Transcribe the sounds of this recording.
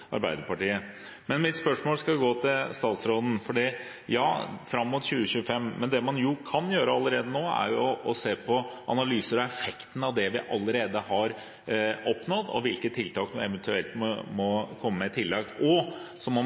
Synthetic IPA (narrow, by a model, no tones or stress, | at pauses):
ʔɑ̰ɾbæɪd̪əɾpɑʈiːə | mɛnmɪt̪spœʂmoːlskɑɡoːt̪ʰɪlst̪ɑːt̪sɾoːd̪n̩fɔɖiː | jɑːfɾɑmːʊt̪ɕʉːəɕʉːəfɛmːmɛnd̪ɛmɑnjʊkʰɑnjøːɾəɑlːəɾeːd̪ənoːæ̰ɾjʊɔseːpʰɔʔɑ̰nɑlyːsəɾɔɛfɛkt̪n̩ɑʋd̪ɛʋɪʔɑlːəɾeːd̪əhɑɾ | ɔpnɔd̪ɔ̰ʋɪlkət̪ʰːɪlt̪ɑːknuːɛʋɛnt̪ʉɛlt̪mɔmɔkʰɔmːəmɛt̪ʰɪlːɑk̪̚ɔsɔmɔ